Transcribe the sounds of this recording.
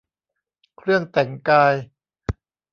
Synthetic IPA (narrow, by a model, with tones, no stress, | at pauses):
kʰɾɯ˥˩əŋt̪ɛ˩˦ŋkaː˧j